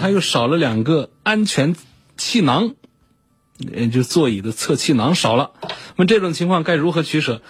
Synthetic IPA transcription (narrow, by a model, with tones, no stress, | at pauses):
a˥jo˥˩ʊʂɑ˨˩ʊlə˦ljɑ˨˩ŋɡə˧ | a˥nt͡ɕʰɥɛ˧˥n | t͡ɕʰi˥˩nɑ˧˥ŋ˧ | t͡ɕjo˥˧t͡swɔ˥˩i˨˩d̪ə˦t͡sʰɤ˥˧t͡ɕʰi˥˩nɑ˧˥ŋʂɑ˨˩ʊlə˦nə˥mə˧ʈ͡ʂɤ˥˩ʈ͡ʂʊ˨˩ŋt͡ɕʰi˧˥ŋkʰwɑ˥˧ŋka˥˩ɪɻu˧˥xɤ˧˥t͡ɕʰy˧˥ʂɤ˨˩˦